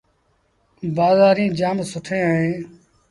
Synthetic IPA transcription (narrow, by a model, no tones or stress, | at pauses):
baːzaːɾĩːd͡ʒaːmsʊʈʰẽːaẽː